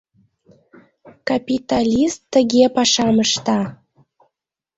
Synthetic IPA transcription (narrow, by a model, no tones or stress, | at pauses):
kapʲit̪alʲist̪ːə̆ɣepɑʃɑməʃt̪ɑ